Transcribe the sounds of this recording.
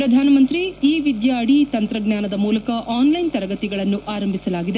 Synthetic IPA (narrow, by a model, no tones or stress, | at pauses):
ɾɐd̪ʱaːnɐmɐnt̪ɾiiːʋid̪jaːɽit̪ɐnt̪ɾɐɡɲaːnɐd̪ɐmuːlɐkɐʔaːnlɐjnt̪ɐɾɐɡɐt̪iɡɐɭɐnːuʔaːɾɐmbʱisɐlaːɡid̪e